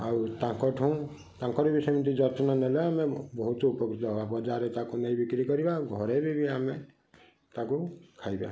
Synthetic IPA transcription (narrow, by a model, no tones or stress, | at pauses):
awt̪ãkɔʈʰũw̃ | t̪ãŋkɔɾibisɔjmʌnt̪id͡ʒɔt̪nɔneleamebɔɦut̪oupɔkɾit̪ɔbabɔd͡ʒaɾet̪ãkunʌjbikɾikɔɾibaɡʱɔɾebibiame | t̪ãkukʰajbjã̰